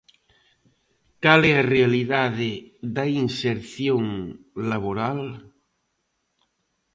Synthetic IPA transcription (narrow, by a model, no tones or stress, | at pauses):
kalɛarealiðaðeðainseɾθjoŋ | laβoɾal